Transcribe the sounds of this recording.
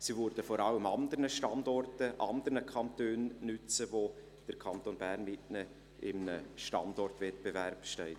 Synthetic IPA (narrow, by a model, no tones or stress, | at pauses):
sivʉɾd̥əfɔɾɑləmɑnd̪əɾnəʃtɑndɔrtəʔɑnd̪əɾnəkʰɑntøːnnʏt͡səvo | d̥əɾkʰɑnt̪onbærnmɪtnɛ | ɪmnəʃtɑ̰ndɔrtvɛtb̥evæɾpʃtɛɪt